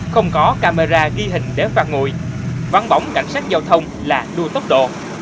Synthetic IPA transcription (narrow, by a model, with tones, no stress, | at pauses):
xə˧wŋ͡mkɔ˨˦kaː˧me˧zaː˧ɣi˧ɦï˨˩ŋ̟ɗe˧˩faː˧˩t̚ŋṵ˧˨jva˨˦nɓa˨˦wŋ͡mka̰˧˩jŋ̟saː˦˥k̚zaː˧wt̪ʰə˧wŋ͡m | laː˨˩ɗu˧ət̪o˦˥k͡p̚ɗo̰˧˨